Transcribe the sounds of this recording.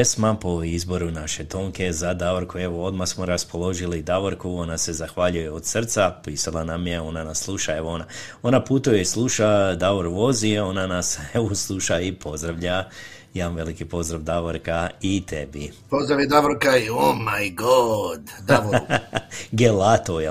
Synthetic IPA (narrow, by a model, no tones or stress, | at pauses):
esmapo̞izbo̞ɾunaʃe̞t̪o̞ŋkʰe̞zad̪aʋoɾkue̞ʋo̞o̞d̪maxsmoɾaspo̞lo̞ʒilid̪aʋoɾkuo̞nase̞zaxʋaʎujeod̪srt̪sapiːsalˠanamje̞o̞nanasːlˠuʃae̞ʋoo̞nao̞naput̪ujeislˠuʃad̪aʋoɾuʋo̞zio̞nanaseʋoslˠuʃaipʰo̞zd̪ɾaʋʎa | janʋe̞likipo̞zd̪ɾaʋd̪aʋoɾkait̪e̞bi | pozd̪ɾaʋid̪aʋoɾkaiomajɡod̪d̪aʋo | ɡelat̪o